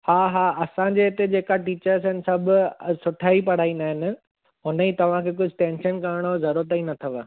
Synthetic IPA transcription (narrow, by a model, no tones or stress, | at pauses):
haːɦaːɐsãd͡ʑeɪt̪ed͡ʑeːkaʈiːt͡ɕəɾsɪnɪ̆sɐbʱʊsʊʈʰaːipɐɽ̤aːĩnd̪aːɦɪnɪ̆ | ɦʊnit̪ɐʋ̤ãkʰeːk̬ʊd͡ʑʱɪʈẽːnʃənkaɾɽ̃ozɐɾuət̪əinɐt̪ʰəʋ